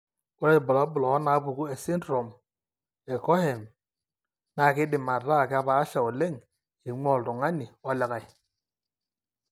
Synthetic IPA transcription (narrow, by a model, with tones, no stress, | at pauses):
u˦ɾa˦i˨bɔ˨la˨˦bu˨lɔː˨˦na˨˦bu˨ku˦e˨si˦ndɾo˨m | e˨kɔ˦he˨m | na˨ki˦di˨ma˨ɾa˦˨ki˦a˦βaː˨˦ʃa˨o˨le˦˨ŋ | i˨ŋ͡mɔ˦˨ltu˨ŋa˦ni˨ɔ˨˦lɛ˨ka˨i˨